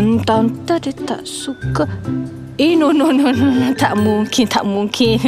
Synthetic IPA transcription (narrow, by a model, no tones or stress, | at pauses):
nt̪ant̪adet̪a̰ʔsuka | inunununnt̪aʔmuŋkʰint̪ʰaʔmuŋkʰin